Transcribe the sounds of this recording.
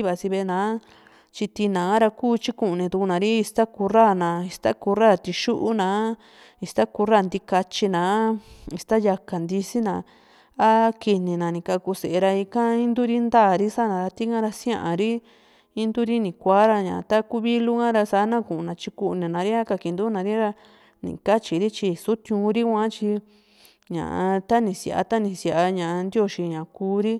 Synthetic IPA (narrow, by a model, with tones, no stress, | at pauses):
βa˧˨si˧βe˧nãː˨˦ | t͡ʃi˧t̪i˧nã˨˦ɾa˧kuː˦˨t͡ʃi˦ku˧˨nĩ˧t̪u˧ku˧nã˨˧ɾi˦i˧st̪a˦ku˧ra˦˨nã˨i˧st̪a˦ku˧ra˦˨t̪i˧ʃu˦ʔu˦nã˨˦ | i˧st̪a˦ku˧ɾa˦˨nd̪i˧ka˧t͡ʃi˧nãː˨˦i˧st̪a˦ja˧ka˨nd̪i˧si˦nã˧˨ | a˦ki˧nĩ˨nã˨nĩ˨ka˧ku˧se˨e˧ɾa˧i˧kã˦ĩ˦nd̪u˦ɾi˦nd̪aː˦˨ɾi˦sa˦nã˨˧ɾa˧t̪i˦ŋã˦ɾa˧sj̃ã˦ʔa˨ɾi˦ | i˦nd̪u˦ɾi˦nĩ˨kʷaː˨˦ɾa˧ɲã̰˨˧t̪a˦ku˦βi˦lu˦kã˦ɾa˧sa˧˦nã˦kũ˨ʔu˧nã˨t͡ʃi˧ku˧nĩ˨nã˨ɾi˦a˦ka˧ki˧˨nd̪u˦nã˨ɾi˦ɾa˧ | nḭ̃˨ka˦t͡ʃi˨ɾi˦t͡ʃi˧su˦t̪ũ˧ɾi˦kʷã˦t͡ʃi˧ | ɲã̰˨ʔa˧t̪a˦nĩ˧sja̰˨ʔa̰˧t̪a˦nĩ˧sja˨a˧ɲã˨a˧nd̪jo˦ʃi˧ɲã˨kuː˧˦ɾi˦